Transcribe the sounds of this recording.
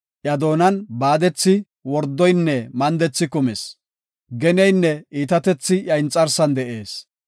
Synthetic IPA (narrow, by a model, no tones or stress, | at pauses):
ʔjɐd̪o̞ːnɐnbaːd̪ɛt͡sːɪ | wɔɾd̪ːɔjnːɛmɐnd̪ɛt͡sːɪkʊmɛs | ɡɛnɛjnːɛiːt̪ɐt̪ɛt͡sːɪjɐjnt͡sʼːɐɾsɐnd̪ɛʔeːs